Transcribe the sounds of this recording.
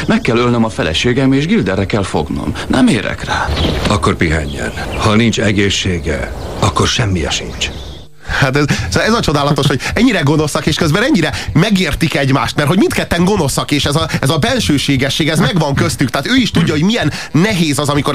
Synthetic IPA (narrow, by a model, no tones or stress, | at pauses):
mɛkːɛlølnømɒfɛlɛ̰ʃeːɡɛmeːʒɡild̪ɛrːɛkɛlfo̰ɡno̰mnɛmeːɾɛ̰kraːɒkːorpiɦɛ̰ɲːɛ̰nhɒnint͡ʃɛɡeːʃːeːɡɛ̰ɒkːorʃɛmːiɛ̰ʃḭnt͡ʃ | hat̪ɛzsoɛzɒt͡ʃo̞d̪aːlɒt̪o̞ʃho̞ɟɛɲːiɾɛɡo̞no̞sɒkeːʃkøzbɛnɛɲːiɾɛmɛɡeːrt̪ikɛɟmaːʃt̪mɛrt̪ho̞ɟmint̪kɛt̪ːɛŋɡo̞no̞sɒkeːʃɛzɒɛzɒbɛlʃøːʃeːɡɛʃːeːɡɛzmɛɡʋɒŋkøst̪ykt̪aːt̪øːiʃt̪uɟːɒɦo̞ɟmijɛnːɛɦeːzɒzɒmiko̞